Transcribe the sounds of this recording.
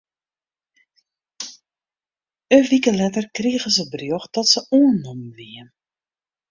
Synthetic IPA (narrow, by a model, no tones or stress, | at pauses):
əʋikəlɛtərkriəɣəzəbrjɔxdɔtsəʔuənːɔmʋiən